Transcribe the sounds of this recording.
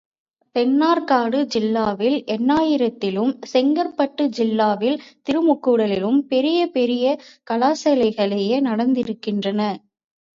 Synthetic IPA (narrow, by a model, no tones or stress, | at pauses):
pɛnːaːɾkaːɽɯd͡ʒɪlːaːʋɪlʔɛnːaːjɪɾɐt̪ːɪlɯmsɛŋɡɐɾpːɐʈːɯd͡ʒɪlːaːʋɪlt̪ɪɾɯmʊkːɯɽɐlɪlɯmpɛɾɪjɐpɛɾɪjɐkɐlaːsɐlɐɪɣɐɭɛjeːnɐɽɐnd̪ɪɾɯkːɪndrɐnɐ